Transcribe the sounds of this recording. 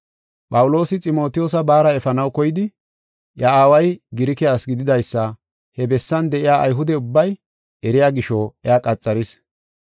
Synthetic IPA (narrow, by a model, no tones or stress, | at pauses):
pʼɐwʊlo̞ːsɪt͡sʼɪmo̞ːt̪ɪjoːsɐbaːɾɐɛfɐnɐwkɔjɪd̪ɪ | jɐaːwɐjɡɪɾɪkɪjaːsɡɪd̪ɪd̪ɐjsːɐ | hɛbɛsːɐnd̪ɛʔɪjaːʔɐ̰jɦʊd̪ɛʊbːɐj | ɛɾɪjaːɡɪʃoɛaːkʼɐt͡sʼːɐɾɪs